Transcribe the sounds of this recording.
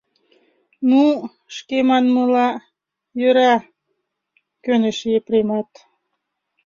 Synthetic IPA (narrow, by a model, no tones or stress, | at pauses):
nu | ʃkemɑnməlɑ | jøɾɑ | kønəʃepɾemɑt̪